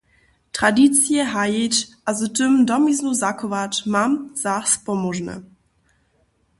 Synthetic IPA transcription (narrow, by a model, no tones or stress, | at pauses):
tʁ̥adit͡sjɛɦajet͡ɕʔazətəmdɔmiznuzakɔvatmamz̥aχspɔmɔʒnə̰